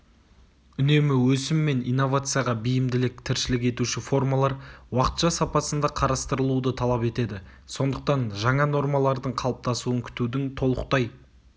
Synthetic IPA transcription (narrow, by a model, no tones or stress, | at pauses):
ʏne̞mɪwɵsɪmːe̞nijnːo̞vat̪sɨjaʁɑbijɪmd̪ɪlɪk̚t̪ʰɪɾʃɪlɪk̬ʲe̞t̪uʃɪfo̞rmɑlˠɑɾwɑqə̥t̪ʃɑsɑpɑsənd̪ɑqʰɑɾɑst̪əɾəlˠud̪ət̪ʰɑlˠɑpe̞t̪e̞d̪ɪ | so̞nd̪əq̚t̪ɑnʒɑɴɑno̞ɾmɑlˠɑɾd̪əɴqʰɑlˠəp̚t̪ɑsuəŋkʲʰʏ̥t̪ud̪ɪŋt̪ʰo̞lˠə̰q̚t̪ɑj